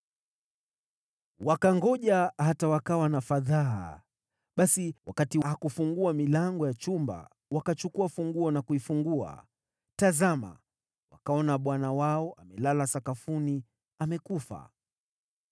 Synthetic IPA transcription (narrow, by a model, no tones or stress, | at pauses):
wakaŋɡɔʄahatawakawanafaða | ɓasiwakatihakufuŋɡuamilaŋɡɔjat͡ʃumba̰ | wakat͡ʃukuafuŋɡuɔnakuifuŋɡua̰ | tazama̰ | wa̰kaɔnaɓwanawaɔʔamɛlalasakafuni | amɛkufa̰